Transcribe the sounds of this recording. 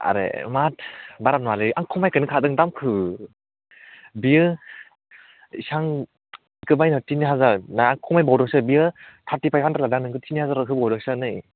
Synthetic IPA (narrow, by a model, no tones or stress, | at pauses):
a̰ɾḛmat̚ʰbaɾanalɯaŋkʰɔmajkɯnɯkʰadɯŋdamkʰɯ | biɯ | isaŋ | ikɯbajnɔtiniɦazanajaŋkʰɔmajbawdɯŋsɯbiɯtʰatipʰajpʰantaladaŋnɯŋkʰɯtʰinihazaɾɯɦɯbawdɯŋsanɯj